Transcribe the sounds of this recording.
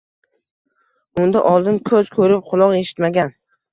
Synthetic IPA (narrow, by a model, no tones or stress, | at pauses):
ʊnd̪aʔɒlˠd̪ɪnkʰɵz̥kʰɵɾɪp̚qʰʊlˠɒqe̞ʃɪ̥t̪maɡʲan